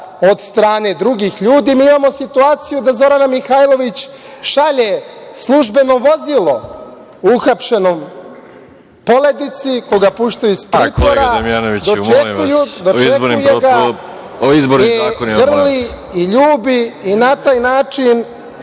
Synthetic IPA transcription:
o̞d̪st̪ɾaːne̞d̪ɾuɡixʎuːd̪iːmiːimaːmo̞sit̪uaːt̪sijud̪azo̞ɾanamixajlˠo̞ʋit͡ɕ | ʃaʎe̞slˠuʒbe̞no̞ʋo̞zilˠo̞ | uxapʃe̞no̞m | po̞le̞d̪it̪sikoɡapuʃt̪ajuispɾiːt̪oɾaemianoʋid̪ot͡ʃekiujud̪ot͡ʃieboɾnujeɡa | oizboɾekonɡr̩li | iʎuːbiːnat̪aːjnaːt͡ʃin

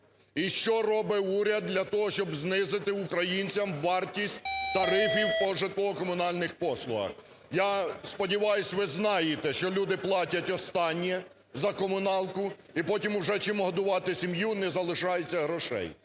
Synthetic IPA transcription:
iʃt͡ʃɔrɔbɪuɾʲɐd̪̚d̪lʲɐt̪ɔɦɔʃt͡ʃɔbznɪzɪt̪ɪʊkɾɐjinʲt͡sʲɐmʋɑrtʲisʲt̚ʲt̪ɐɾɪfʲiwpɔʒɪt̪lˠɔɦɔkɔmʊnɑlʲnɪxpɔslˠʊɦɐ̰x | jɑspɔdʲiʋɑjʊsʲʋɪznɑjet̪ɛʃt͡ʃɔlʲud̪ɪplˠɑtʲɐtʲɔst̪ɑnʲːɛ | zɐkɔmʊnɑlˠkʊipɔtʲimʊʒɛt͡ʃɪmɔɦɔd̪ʊʋɑt̪ɪsʲimjunɛzɐlˠɪʃɑjet͡sʲːɐɦɾɔʃɛ̰j

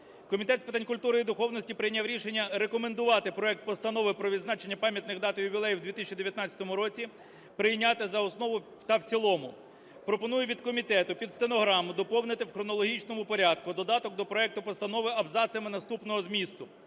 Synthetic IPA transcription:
kɔmʲit̪ɛt̪sʲpɪt̪ɑanʲkʊlʲt̪uɾɪid̪ʊxɔwnɔsʲtʲipɾɪjnʲaʋɾʲiʃe̞nʲːɐɾekɔmend̪ʊʋɑt̪ɪpɾɔɛk̚t̪̚pɔst̪ɐnɔʋɪpɾɔʋʲid̪znɑt͡ʃenʲːɐpɑmʲjɐt̪nɪɣd̪ɑt̪ɪjʊʋʲilˠɛjiwd̪ʋʲit̪isʲt͡ʃʲːid̪eʋʲjɐt̪nɑt͡sʲɐ̥t̪ɔmʊɾɔt͡sʲi | pɾɪjnʲat̪ɪzɐɔsnɔʋʊ | t̪ɐwt͡sʲilˠɔmʊ | pɾɔpɔnujʊʋʲid̪kɔmʲit̪ɛt̪ʊpʲid̪st̪enɔɦɾɑmʊd̪ɔpɔwnɪt̪ɪwxɾɔnɔlˠɔɦʲit͡ʃnɔmʊpɔɾʲɑd̪kʊd̪ɔd̪ɑt̪ɔk̚d̪ɔpɾɔɛk̚t̪ʊpɔst̪ɐnɔʋɪɐbzɑsʲjɐmɪnɐst̪upnɔɦɔzmʲist̪ʊ

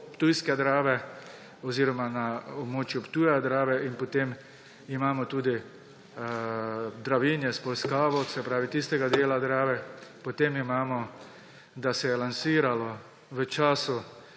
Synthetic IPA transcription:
pt̪ujskɛd̪ɾaːʋɛ | ɔziːɾɔmanaɔbmoːt͡ʃjʊpt̪uːjɛd̪ɾaːʋɛʔinpɔt̪eːm | imaːmɔt̪uːd̪i | d̪ɾaʋiːnjɛspɔlskaːʋɔsɛpɾaːʋit̪ist̪ɛɡad̪eːlad̪ɾaːʋɛpɔt̪eːmimaːmɔ | d̪asɛjɛlansiːɾalɔ | ʋət͡ʃaːsʊ

